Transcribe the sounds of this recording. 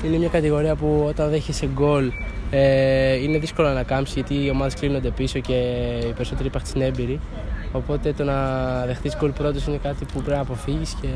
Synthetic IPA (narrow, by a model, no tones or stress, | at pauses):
ine̞mɲɐkɐt̪iɣo̞ɾiɐpuo̞t̪ɐnðeçeseɡo̞leine̞ðisko̞lonɐkɐmsizʝɐt̪iːo̞mɐðe̞sklino̞nd̪e̞piso̞ce̞ipe̞ɾiso̞t̪e̞ɾipɐxt̪sine̞mbiɾi | o̞po̞t̪e̞t̪o̞nɐðe̞xθizɡo̞lpɾo̞t̪osine̞kɐt̪ipupɾepinɐpo̞fiʝisce̞